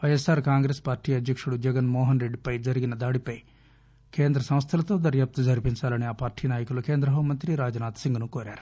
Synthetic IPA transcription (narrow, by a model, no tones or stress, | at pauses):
ɐjesaːɾkaːŋɡɾeːspaːɾʈiːɐd̪ʱjɐkʂuɽud͡ʒɐɡɐnmɔːɦɐnɾeɖpɐjd͡ʒɐɾiɡinɐd̪aːɽipɐj | keːnd̪ɾɐsɐ̃mst̪ʰɐlɐt̪oːd̪ɐɾjaːp̚t̪ud͡ʒɐɾipint͡ʃaːlɐniaːpaːɾʈʰiːnaːjɐkulukeːnd̪ɾɐɦɐmɐnt̪ɾiɾaːd͡ʒɐnaːt̪ʰsiŋɡɐnukoːɾjaːɾi